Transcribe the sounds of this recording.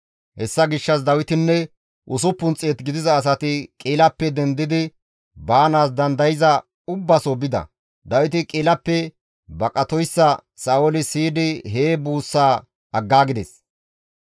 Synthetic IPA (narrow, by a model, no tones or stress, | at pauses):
hɛsːɐɡɪʃːɐs̬d̪ɐwɪt̪ɪnːɛ | ʔʊsʊpːʊnt͡sʼːeːt̪ɡɪd̪ɪzɐːs̬ɐt̪ɪkʼiːlɐpːɛd̪ɛnd̪ɪd̪ɪ | baːnaːs̬d̪ɐnd̪ɐjɪzɐ | ʊbːɐsobɪd̪ɐ̰ | d̪ɐwɪt̪ɪkʼiːlɐpːɛ | bɐkʼɐt̪ɔjsːɐ | saːʔolɪsiːd̪ɪɦeːbuːsːaː | ɐɡːaːɡɪd̪ɛs